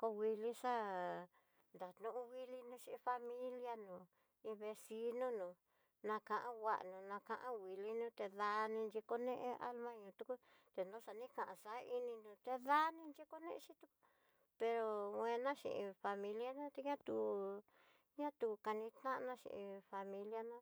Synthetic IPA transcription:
ko˧wi˧li˦ʂa˦ | nd̪a˨t̪nũ˧ʔũ˦wi˦li˦nũ˧˦ʃĩ˧i˧fa˧mĩ˦lja˦nũ˨˧ | ĩ˧βe˧si˧˦nũ˦nũː˨˧ | nã˧kã˧ʔã˦wa̰˨ʔnũ˨˧nã˧kã˧ʔã˦wi˨li˦nũː˦t̪e˧ða˧nĩ˧nd͡ʒi˧ko˧nẽ˦ʔẽ˧a˦lmã˦ɲũː˧t̪u˧ku˦t̪e˧nõ˦sa˨nĩ˦kã˨ʔã˧sa˨˦i˧nĩ˧nũ˧t̪e˧ða˦nĩ˧nd͡ʒi˦ko˦nḛ̃˦ʔʃi˦t̪u˧ku̥˦ | pe˧ɾo˧wẽ˧nã˦ʃḭ̃˨ʔḭ̃˧fa˧mĩ˧lja˦nã˦t̪e˧ɲã˦t̪u˨ | ɲã˦t̪u˧ka˧nĩ˧t̪ã˦nã˦ʃḭ̃˧ʔĩ˧fa˧mĩ˧lja˦nã˦

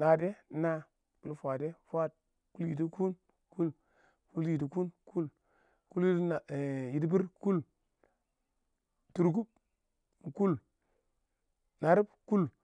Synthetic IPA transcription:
na˨de˦na˦ | ku˨lfʷa˨de˦fa˦˨t̚ | ku˦lji˨t̬i˦ku˦n | ku˦l | ku˦lji˨ti˨ku˦nku˦l | ku˦lji˦na˨ji˨tbi˦ɾku˦l | tu˨ɾku˦b̚ | m˨ku˦l | na˨ɾi˦bku˦l

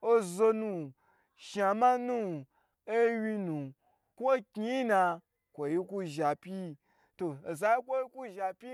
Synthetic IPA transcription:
o˦zo˧nũ˧˨ | ʃa˨mã˦nũ˦ | e˦wi˧nũ˨ | kʷo˦kʲi˦na˧ | kʷo˨ji˧kʷu˧ʒa˨pʲi˦ | to˨e˨za˨˦i˦kʷo˦ji˦kʷu˦ʒa˨pʲi˦

